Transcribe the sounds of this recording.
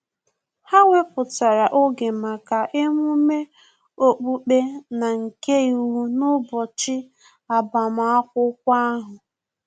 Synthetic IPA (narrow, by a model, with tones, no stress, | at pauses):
ha˦ŋʷe˦pʊ˨ta˨ɾa˨ʔo˦ɡe˨ma˨ka˨ʔe˦m˦u˦me˦ | o˦k͡pu˦k͡pe˦na˨ŋ̩˨ke˦˨u˨wu˦nʊ˦bɔ˨t͡ʃɪ˦ | a˨ba˨ma˨a˦kʷʊ˦k̚ʷa˦a˦ɦʊ˨